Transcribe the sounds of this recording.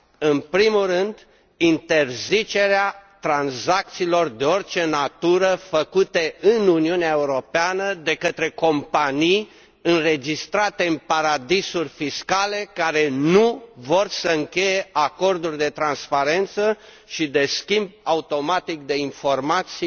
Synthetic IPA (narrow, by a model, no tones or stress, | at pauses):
ɨnpɾimulrɨnd̪ | int̪e̞rzit͡ʃe̞ɾeat̪ɾanzak̚t̪siːlo̞rd̪e̞o̞rt͡ʃe̞nat̪uɾəfəkut̪e̞ɨnuniuneaeuɾo̞peanəd̪e̞kət̪ɾe̞ko̞mpanij | ɨnre̞d͡ʒist̪ɾat̪e̞ɨnpaɾad̪isurʲfiskale̞kaɾe̞nuvo̞rsəɨŋkʲe̞je̞ʔako̞rd̪urʲd̪e̞t̪ɾanspaɾe̞nt̪sə | ʃid̪e̞skʲimb̚aut̪o̞mat̪ik̚d̪e̞info̞rmat̪si